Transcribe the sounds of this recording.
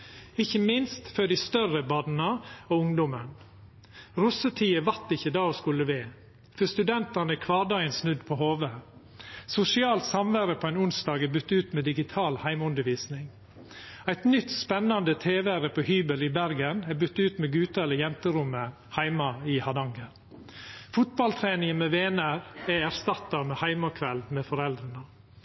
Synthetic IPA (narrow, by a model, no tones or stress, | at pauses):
ɪçːəmɪnst̪fœɖ̪ɪst̪œɾəbɑːd̪n̩əoːʊŋd̪ʊmən | ɾʊsət̪ʰiːəʋɑɾt̪ɪçəd̪ɑːoːskʉlːəʋeː | fœst̪ʉd̪ɛnt̪ɑnəækʰʋɑːɖɑənsnʉd̪pʰoːhoːʋə | sʊsɪɑːlt̪sɑmʋæɾəpʰoːæɪnʊnst̪ɑːɡæbʏt̪ːʉːt̪mɛːd̪ɪɡɪt̪ʰɑːlhæɪmʉnd̪əɾʋiːsnɪŋ | æɪt̪nʏt̪spɛnːɑnd̪ət̪ʰeːʋæɾəpʰoːhyːbəlɪbæɾɡənæbʏt̪ːʉːt̪mɛɡʉːt̪əɛləjɛnt̪əɾʊmə | hæɪmɑɪhɑd̪ɑŋɡəɾ | fʊt̪̚bɑlt̪ʰɾeːnɪŋəmɛʋeːnæɾɛæɾst̪ɑt̪ːɑɾmɛhæɪmɑkʰʋɛlmɛfɔɾɛld̪ɾənə